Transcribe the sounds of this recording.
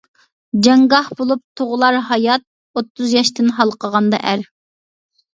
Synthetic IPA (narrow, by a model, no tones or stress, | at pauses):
d͡ʒɑŋɡɑhbolˠup̚t̪ʰoʁʊlˠɑɾɦɑjɑt̪̚ | ot̪ʰːuzjɑʃt̪ɪnɦɑlˠqʰəʁɑnd̪ɑ̰ʔæɾ